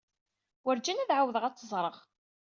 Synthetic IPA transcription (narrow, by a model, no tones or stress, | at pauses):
wəɾd͡ʒænæðʕawəðəʁæt͡sːəzˤɾˤəʁ